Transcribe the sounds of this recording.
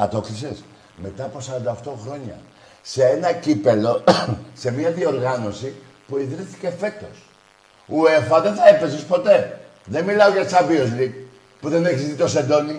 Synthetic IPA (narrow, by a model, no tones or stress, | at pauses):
ɐt̪o̞kɾises | me̞t̪ɐposɐɾɐnd̪ɐft̪o̞xɾo̞ɲɐ̰ | seenɐcipelo̞se̞miɐðio̞ɾɣɐno̞si | puiðɾiθi̥ce̞fe̞t̪o̞s | uefɐðeθɐepe̞zispo̞t̪e̞ | ðenmilɐoʝɐsɐviozlik | puðeneçisist̪it̪osend̪o̞ni